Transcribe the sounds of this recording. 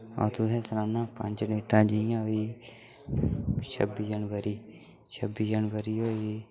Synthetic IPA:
ɔ̰ːt̪ud̪ẽːsɾaːnãːpə̰̃nd͡ʒniːʈãːd͡ʒijãːi | t͡ʃʰə̰bːiːd͡ʒənʋəɾiː | t͡ʃʰəbiːd͡ʒənʋəɾiːoːi

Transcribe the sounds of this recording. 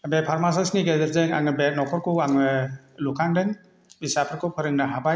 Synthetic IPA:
bepʰaɾmas̬asniɡedɐɾzɯŋa̰ŋɯbet̚nɔkʰɔɾkʰɔwaŋnɯ | lukʰaŋdɯŋ | bisapʰɯɾkʰɔwpʰɯɾɯŋnɐɦaba

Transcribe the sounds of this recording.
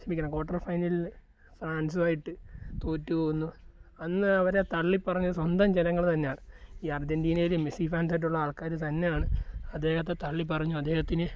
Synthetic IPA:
ɕɐmbikʲːɐɳɐmko̞ːʈːɐrfɐjnil | fraːnsɨʋaːjiʈːɨt̪oːtːupoːɣunːuɐnːɨɐʋɐɾe̞t̪ɐɭːipːɐrɐɲːuswɐnd̪ɐmd͡ʑenɐŋːɐɭt̪ɐnːe̞jaːɳɨiːɐrd͡ʑɐndiːnɐjilɨmisifaːns̬aːjiʈ̬ːuɭːɐaːɭkaːɾɨt̪ɐnːe̞jaːɳɨɐd̪ːe̞ːhɐt̪̬ːet̪ɐɭːip̬ɐrɐɲːuɐd̪ːeːhɐt̪ːinɨ

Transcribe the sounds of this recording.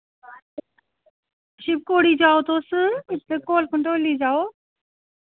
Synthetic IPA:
ʃɪb̚koːɽid͡ʑaːot̪ʰoːsɪt̪ekoːlkɐ̃ɳʈoːlid͡ʑaːoː

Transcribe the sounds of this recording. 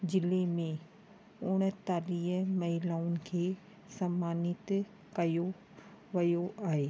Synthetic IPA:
d͡ʑɪlemẽ | ʊɽ̃ə̆t̪aːliːɦmɐɦɪlaːʊnɪ̆kʰeː | sɐmaːnɪt̪ | kɐjo | ʋɐjoʔaːɦeː

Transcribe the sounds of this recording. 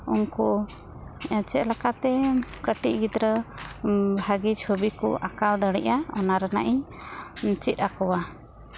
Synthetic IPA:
unku | ɛt͡ʃɛʔ̪lakat̪ɛkəʈiʔ̚ɡid̪ɾə | bʱaɡit͡ʃʰobikɔ̰ʔakald̪əɽiʔaɔnaɾana̰ʔi | t͡ʃit̪̚akɔwa

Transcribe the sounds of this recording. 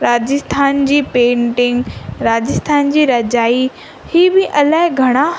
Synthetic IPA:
ɾaːd͡ʑɪst̪ʰaːnd͡ʑiːpẽːɳʈɪ̃ŋɡɾaːd͡ʑɪst̪ʰaːnd͡ʑiːɾɐd͡ʑaːi | hiːbɪʔɐlaːɦɪ̃ɡʱɐɽ̃a

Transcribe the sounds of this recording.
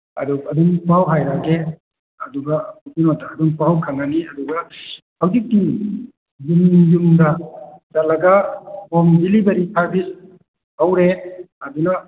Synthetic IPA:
ɐ̰duɐduŋpawɦajɾaɡe | ɐduɡɐmupinotaːduŋpawkʰaŋaniɐduɡɐ | hawzik̚ti | jumjumɡɐtalɐɡabomdilibɐɾipʰaɾbis | awɾe | ɐdunɐ

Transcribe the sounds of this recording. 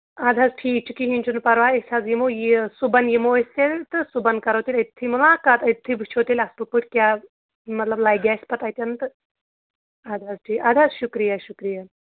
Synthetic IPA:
ad̪ʱazʈʰiːt͡ʃukiɦinʲt͡ʃunpɐɾʋaesazjimojisubɐnjimoest̪elt̪ɨsubɐnkɐɾowt̪iːlʲɐt̪ʰimulakat̪ɐt̪ʰːibʱut͡ʃʰot̪iːlʲast̪upɨʈkja | mɐt̪lɐblajɡaspɐt̪ajt̪ʲjɐnt̪ɨ | ad̪ʱazʈʰiːad̪ʱazɕukɾijɐɕukɾija

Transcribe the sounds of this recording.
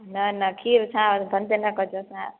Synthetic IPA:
nɐnɐkʰiːɾsʰãbʱɐnd̪enɐkɔd͡ʒosã

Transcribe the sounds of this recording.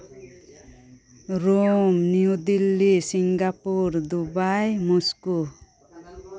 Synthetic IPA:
ɾomnijud̪ilːisiŋɡapuɾd̪ubajmusku

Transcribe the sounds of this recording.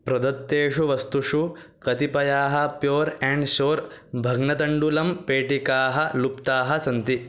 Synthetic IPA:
pɾɐd̪ɐt̪ːeːʂuʋɐst̪uʂu | kɐt̪ipɐjaːɦɐ̆pjoːɾɛ̃ːɳɖʃoːɾ | bʱɐɡnɐt̪ɐɳɖulɐmpeːʈikaːɦɐlupt̪aːɦɐsɐnt̪i

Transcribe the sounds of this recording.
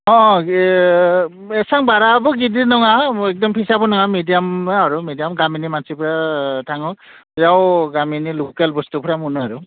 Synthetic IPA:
ɔ̃ | ɛsaŋbaɾabɔɡidinɔŋaɛk̚dɔmpʰisabɔnɔŋamedijamaɾumedijamɡaminimansipʰɾatʰaŋɯ | jawɡaminilukelbɔstupʰɾamunɔaɾu

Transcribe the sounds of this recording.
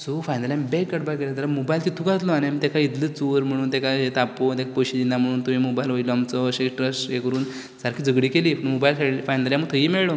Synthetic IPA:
sofajnəljãmbekːəʈbakelat̪əɾamobajlt̪it̪ʰuɡat̪lɔanamiːt̪ɛkait̪lət͡suɾm̤əɽ̃uːnt̪ɛkaet̪apot̪̬ɛkakoɕid̪inːam̤əɽ̃uːnt̪um̤iːmobailɦojlɔamt͡sɔəɕeʈɾəsekəɾuːn | saɾkʰiːd͡zəɡɽiːkeliːpəɳmobajlkafajnəljãməɡ̚t̪ʰəɦiːmeɭɭɔ

